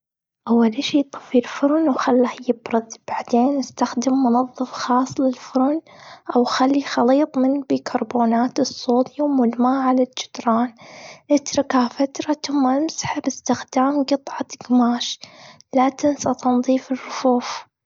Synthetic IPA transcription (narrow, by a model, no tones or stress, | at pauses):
ʔawːalʔɪʃiːt̪ˤɨ̥filfʊɾnwxalːahjɪbɾɑðb̥aʕd̪eːnɪst̪axd̪ɪmːʊnɑðˤːɨfxɑːsˤːlɪlfʊɾʊnʔawxalːixɑliːt̪ˤmɪnbikʰɑɾˤboːnaːt̪ɨsˤːoːt̪jawmʊlmaːʕalald͡ʒɪ̥d̪ɾˤɑːnʔɪt̪ɾɪkafat̪ɾˤɑt̪ʊmːaʔɪmsḁħabɪst̪ɪxd̪aːmɡɨt̪ˤʕɑt̪ɡmaːʃ | lat̪ɪnsat̪ɑnðˤiːfɪrːʊfuːf